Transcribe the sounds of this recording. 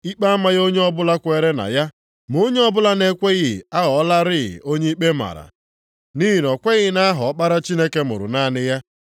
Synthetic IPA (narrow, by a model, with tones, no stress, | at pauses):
i˦k͡pa˦a˦ma˦ɣo˦ɲe˦ɔ˦bʊ˦la˦kʷe˨ɾe˦na̰˨ja˦ | m˨o˦ɲe˦ɔ˦bʊ˦la˦ne˦kʷe˦ɣɪ˨a˦ɣɔ˨˦la˦ɾɪ̰˦˨o˦ɲe˦i˦k͡pe˦ma̰˨ɾa̰˨ | ni˦i˨n˨ɔ˨kʷe˦ɣɪ˦na˦a˦ɦɔ˨ɔ˦k͡pa˦ɾa˦t͡ʃi˦ne˦ke˦mʊ̰˨ɾʊ̰˨na˦˨nɪ˦ja˦